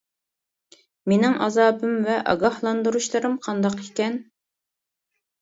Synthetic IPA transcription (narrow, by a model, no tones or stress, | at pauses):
menɪŋʔɑzɑːbɨmvɛʔɑ̰ɡɑhlˠɑnd̪uɾuʃlˠɨɾɨmqʰɑnd̪ɑqikʲɛn